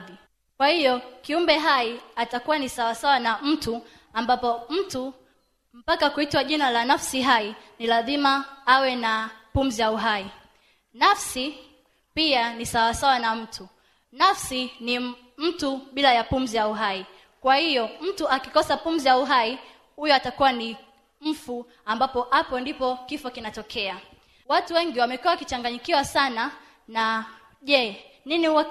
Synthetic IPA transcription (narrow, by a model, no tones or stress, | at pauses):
ði | kwahijɔkiumbɛɦaiatakuwanisawasawanam̩tu | ambapɔm̩tu | m̩pakakuitwaʄinalanafsiɦainilazimaawɛnapum̩zijauɦai | nafsi | pianisawasawanam̩tʰu | nafsini | m̩tuɓilajapum̩zijauɦai | kwahijɔm̩tuakikɔsapum̩zijauɦai | hujɔatakuwani | m̩fu | ambapɔhapɔndipɔkifɔkinatɔkʰɛa | watuwɛŋɡiwamɛkuwawakit͡ʃaŋɡaɲikiwasana | na | ʄɛniniuwa